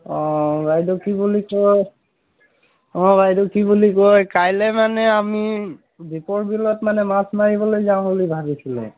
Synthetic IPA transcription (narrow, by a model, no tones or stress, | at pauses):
ɔ̃bajdɔkibulikoj | ɔ̃bajdɔkibulikojkajlɛmanɛami | bipɔɹbilɔtmanɛmasmaɹibɔlojzaʊ̃ɦolijbʱabisilɛ̰